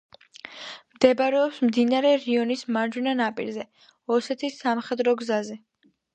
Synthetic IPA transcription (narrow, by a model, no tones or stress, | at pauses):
md̪̥ɛbɾɛɔpsmd̪inaɾɛɾiɔnismaɾd͡ʒwunanapʼḭɾzɛ | ɔsɛt̪ʰisːamχɛd̪ɾɔɡzazɛ